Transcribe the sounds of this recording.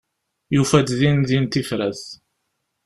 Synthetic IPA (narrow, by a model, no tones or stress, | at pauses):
jufæd̪ðinðint̪ifɾæθ